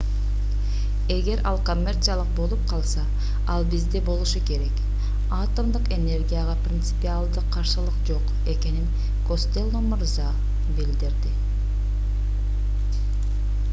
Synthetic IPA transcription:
e̞ɡe̞ɾʔɑlˠko̞mʲːe̞rt̪sɨjalˠəq̚bo̞lˠup̚qʰɑlˠsɑ | ɑlˠbizd̪ebo̞lˠuʃuke̞ɾe̞k | ɑt̪omd̪ɯqe̞ne̞rɡʲijaʁɑprʲɪnt̪sɨ̥pialˠd̪ɯqʰːɑɾʃɯlˠɯqd͡ʒo̞q | e̞ke̞nin | ko̞st̪e̞lˠːomʊɾzɑ | bild̪iɾd̪ɪ

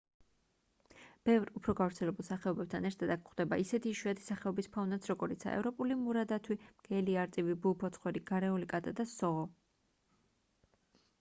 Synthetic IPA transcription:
b̥ɛvɾupʰɾɔɡavɾt̪sʰɛlɛbulˠsaχɛɔbɛb̚t̪ʰanɛɾt̪ʰad̪akʰχd̪ɛbaisɛt̪ʰiːʃwiat̪ʰi̥saχɛɔbispʰavnat̪sʰɾɔɡɔɾit̪sʰa̰ʔɛ̰vɾɔpʼulimuɾad̪at̪ʰwimɡ̥ɛliaɾt̪ʼivibupʰɔt̪sʰχwɛɾiɡ̥aɾɛulikʼat̪ʼad̪asɔɔ

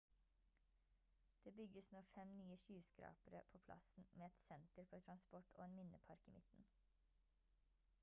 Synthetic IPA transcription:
d̪̥eːbʏɡəsnoːfɛmnyːəʃyːskɾɑ̰ːpəɾə̰pʰoːpʰlʔɑ̰sn̩meːɛt̪sɛnt̪əɾfɔtʰɾɑnspɔʈo̰ːeːnmɪnə̰pʰɑɾkḭːmʔɪt̪n̩

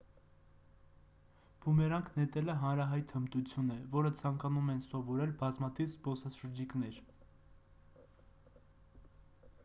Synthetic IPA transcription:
b̥umɛɾɑŋkʰnɛt̪ɛləɦɑnɾɑɦɑjt̪həmt̪ut͡sʰjunɛvɔɾət͡sʰɑŋkɑnumɛnsɔvɔɾɛlbɑzmɑt̪ʰivzbɔsɑʃəɾd͡ʒikn̪ɛɾ

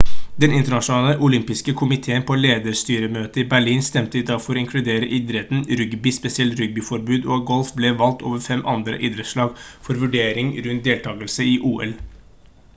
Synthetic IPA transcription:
d̪ɛnɪnt̪əɳɑʂʊnɑːləʔʊlʏmpɪskəkʰʊmɪt̪ʰeːənpʰoːleːd̪əst̪yːɾəmøːt̪əɪbæɭiːnst̪ɛmt̪əɪd̪ɑfɔɾɔɪŋkʰlʉd̪eːɾəʔɪd̪ɾət̪n̩ɾʏɡbɪspɛsɪɛlt̪ɾʏɡ̚bɪfɔɾbʉːd̪ɔɡɔlfblɛʋɑlt̪ʰo̰ːʋəɾfɛmʔɑ̰nd̪ɾə̰ʔɪd̪ɾəʂɭɑːɡfɔɾʋʉɖeːɾɪŋɾʉnt̪̚d̪eːlt̪ʰɑːɡəlsəɪʔuːɛ̰l

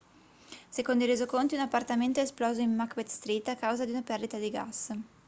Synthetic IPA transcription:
sekond̪oiɾezokont̪iunapːart̪ament̪oɛsplɔːzoimːakbɛt̪st̪ɾit̪ːakːawzad̪iunapɛrd̪it̪ad̪iɡa̰s

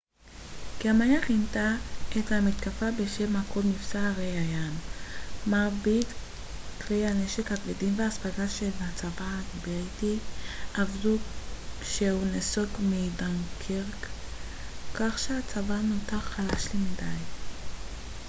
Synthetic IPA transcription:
keamajaχintaethamit̪kafabeʃe̞mhakʰomnifsaːʁejajanː | aʁbit | kʁejaneʃekhaɡvedimveaːspaɡaʃelhat͡savaabtiʔavdu | ʃehunesoɡmidaŋkʰiʁk | kaχʃeat͡savanotaχalaʃlimidaj

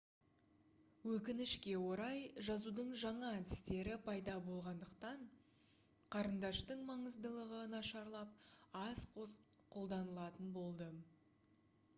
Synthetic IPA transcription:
wɵkʲɪnɪʃkʲe̞wo̞ɾɑjʒɑzud̪əɴʒɑɴɑæt̪ɪ̥st̪e̞ɾɪpʰɑjd̪ɑbo̞lˠʁɑnd̪əqt̪ɑɴ | qʰɑɾənd̪ɑʃt̪əɴmɑɴəzd̪əlˠəʁənɑʃɑɾlˠɑp̚ɑs | qʰo̞lˠd̪ɑnəlˠɑt̪ənbo̞lˠd̪ə

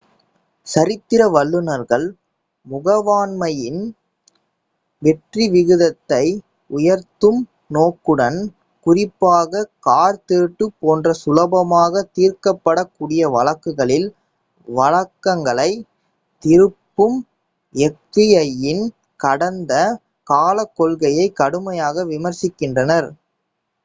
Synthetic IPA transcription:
sɐɾɪt̪ːɪɾɐʋɐɭːɯnɐɾɣɐɭ | mʊɣɐʋaːnmɐjɪn | ʋɛʈriʋɪɣɯðɐt̪ːɐɪ | ʊjɐɾt̪ɯm | noːkːɯɽɐn | kʊrɪpːaːɣɐkaːɾt̪eːʈːɯpːoːndrɐsʊlɐbɐmaːɣɐt̪ːiːɾkɐpːɐɽɐkːuːɽɪjɐʋɐlɐkːɯɣɐɭɪl | ʋɐlɐkːɐŋɡɐɭɐɪ | t̪ɪɾɯpːɯm | ɛkːɪjɐjɪn | kɐɽɐnd̪ɐ | kaːlɐkːɔlɣɐjɐɪkːɐɽɯmɐjaːɣɐʋɪmɐɾsɪkːɪndrɐnɐɾ

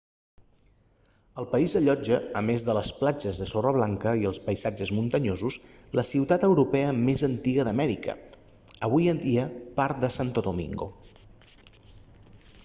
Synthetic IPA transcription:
əlˠpəizəʎɔd͡ʒəːmezðələsplad͡ʒəzðəsɔrəβ̞laŋkəiəlˠspəjzad͡ʒəzmunt̪əɲozusləsiwt̪at̪əwɾupɛəmezənt̪iɣəðəmɛɾikə̰ | əβ̞ujənd̪iəpaɾt̪̚d̪əsant̪oðumḭŋɡo̰

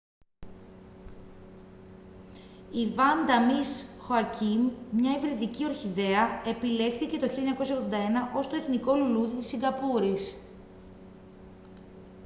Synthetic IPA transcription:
ivɐnd̪ɐmisxoɐcimmɲɐivɾiðicio̞ɾçiðe̞ɐe̞pile̞xθice̞t̪o̞çiljoɲɐko̞sɐoɣðod̪ɐe̞nɐʔo̞st̪oe̞θniko̞luluðit̪i̥sːiŋɡɐpuɾis

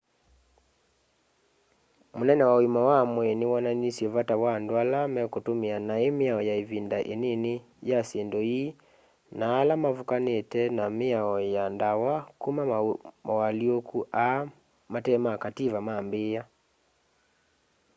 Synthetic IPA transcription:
monɛnɛwaoimawamwɛnewananisjɛvatawandwalamɛkotomeanaemeaɔjaevindaʔenene | jasendɔi | naːlamavukanetɛnameaɔjandawakumamawaliokuʔa | matɛmakativamambeːa

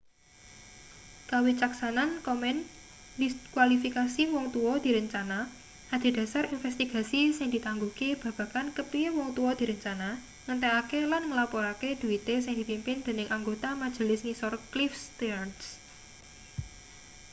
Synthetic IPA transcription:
kawit͡ʃaksanankɔmɛn | likwalifikasiwɔŋt̪uɔd̪̥i̤ɾəɲt͡ʃana | ad̪̥i̤d̪̥a̤saɾinfɛst̪iɡ̥a̤sisɪŋd̪̥i̤t̪aŋɡukib̥ä̤b̥ä̤kankəpiwɔŋt̪uɔd̪̥i̤ɾəɲt͡ʃana | ŋənt̪ɛakelanŋəlapɔɾaked̪̥ṳit̪esɪŋd̪̥i̤pimpɪnd̪̥e̤nɪŋʔaŋɡot̪amad̥ʒ̥ə̤lɪsnisɔrklifst̪iarns

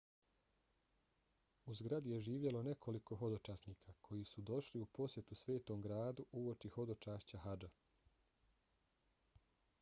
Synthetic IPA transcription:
uzɡɾad̪ije̞ʒiːʋjelo̞ne̞kʰo̞liko̞ɦo̞d̪o̞t͡ʃaːsniːkʰakʰo̞jisud̪o̞ʃliupo̞sje̞t̪usʋe̞ːt̪o̞ːmɡɾaːd̪uʔuot͡ʃiho̞d̪o̞t͡ʃaːʃt͡ɕaɦad͡ʒa

